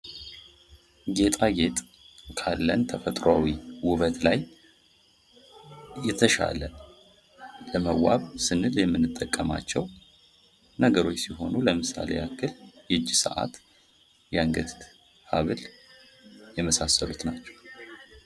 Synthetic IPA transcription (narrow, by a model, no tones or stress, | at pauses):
ɡe̞t̪ʼaɡe̞t̪ʼ | kʰalːənt̪ʰəfət̪ʼɾawiwʊβət̪laj | jɛt̪ʰəʃa̰lə | ləməwaβsɨnːɨljɛmːɨnːɨt̪ʼːəkʼːəma̰t͡ʃːɛw | nəɡəɾo̞t͡ʃːsiɦo̞nuləmɨsa̰le̞̰akːɨljɛd͡ʒːisə̰ʔa̰t̪ | jaŋɡət̪ʰt̪ | haβɨl | jɛməsasːəlut̪nat͡ʃːɛ̥w